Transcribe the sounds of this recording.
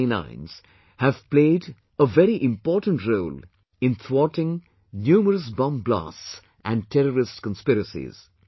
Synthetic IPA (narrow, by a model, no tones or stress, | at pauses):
nã̰ɪ̃nz̥ | hæv̥pleɪd | əvɛɾiʔɪ̃mpɔːʈə̃n̩ʈɾoːl | ɪ̃nθɹɔʈɪ̃ŋ | njuːməɾəsbʌ̃mbla̰sts | ʔæ̃nɖ̚ʈʰɛɾəɾɪstkə̃nspɪɾəsḭz̥